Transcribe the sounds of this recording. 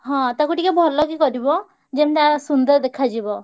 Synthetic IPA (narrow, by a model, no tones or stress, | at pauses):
ɦɔ̃t̪akuʈikebʱɔɾlɔɡikɔɾibɔ | d͡ʒemt̪asund̪ɔɾd̪ekʰad͡ʒibɔ